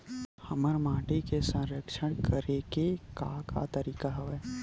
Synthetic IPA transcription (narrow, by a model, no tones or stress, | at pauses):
hɐməɾmãːʈikesə̃ɾəkʃəɽ̃kəɾekekakʰa̰t̪əɾiːkaɦɐʋɛː